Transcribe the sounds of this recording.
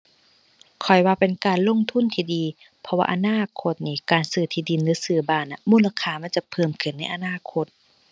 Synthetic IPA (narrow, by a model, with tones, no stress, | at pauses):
kʰɔ˨˩jwaː˧pe˨nkaː˨nlo˧˥˨ŋt̪ʰu˧˥˨nt̪ʰiː˧˩diː˨ | pʰɔ˧wa̰ː˧˨ʔa˧naː˧˥˨kʰo˧t̪̚niː˧˩kaː˨˩nsɯː˧˩t̪ʰiː˧˩di˨nlɯː˧˦sɯː˧˩baː˧˩˨nʔa˧muː˧˥˨la˧kʰaː˧˩ma˧˥˨nt͡ɕa˧˦pʰɤː˧˩mkʰɯ˧˩nːa˧˩˨jʔa˧˨naː˧˥˨kʰo˧˦t̪̚